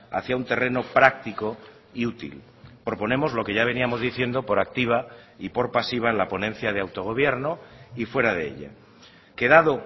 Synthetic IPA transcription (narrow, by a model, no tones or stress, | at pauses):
a̰θjaunt̪e̞re̞no̞pɾak̚t̪iko | iut̪ḭl | pɾo̞po̞nẽ̞mo̞zlokeʝaβ̞e̞niamo̞zðiθje̞nd̪o̞po̞ɾak̚t̪iβ̞aipoɾpasiβ̞aelapo̞nẽ̞nθjað̞e̞awt̪o̞ɣ̞o̞β̞je̞ɾnoifwe̞ɾaðeḛʎa̰ | ke̞ðaðo̞